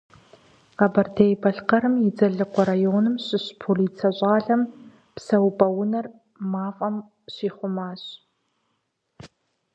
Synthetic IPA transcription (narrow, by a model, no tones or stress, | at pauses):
qɐbɐrdʰejbɐɬqɐɾɨmjɪd͡zɐɮɨqʷɔɾajoːnɨmɕɪɕpʰoliːt͡sʰɐɕʼɑːɮɐm | psɐwbʼɐwʊnɐr | maːfʼɐm | ɕiːχʷʊmaːɕ